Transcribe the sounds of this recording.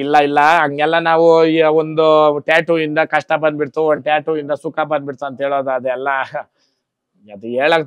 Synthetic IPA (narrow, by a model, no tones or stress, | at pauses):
ilːɐilːɐɐŋɡɛlːɐnaːʋuiond̪uʈjaːʈuind̪ɐkɐʂʈɐbɐɳbiɽt̪uoʈaːʈuind̪ɐsukːabɐnɖ̪biɽt̪uɐnt̪ɦeːɭoːd̪ɐd̪ɛlːɐ | ɐd̪ueːɭɐɡ